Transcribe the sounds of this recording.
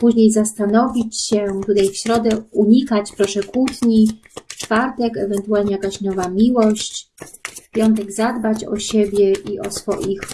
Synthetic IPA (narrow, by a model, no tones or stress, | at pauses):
puʑɲejzast̪anɔvʲit͡ɕɕɛt̪ut̪ajfɕɾɔd̪ɛuɲikat͡ɕpɾɔʂɛkut̪ɲi | t͡ʂfaɾt̪ɛkɛvɛnt̪ualɲɛjakaɕnɔvamʲiwɔɕt͡ɕfpʲjɔnt̪̬ɛɡzad̪bat͡ɕɔ̰ɕebʲjɛʔiʔɔ̰sfɔ̰jix